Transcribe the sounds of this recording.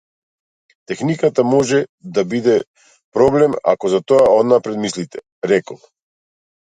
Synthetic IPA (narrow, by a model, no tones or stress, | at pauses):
t̪ɛxnikat̪amɔʒɛd̪abid̪ɛ | pɾɔblɛma̰kɔzat̪ɔaod̪napɾɛd̪mislit̪ɛ̥ | ɾɛkɔlˠ